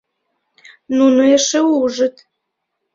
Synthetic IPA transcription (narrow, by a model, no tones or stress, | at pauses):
nunoeʃeuʒə̆t̪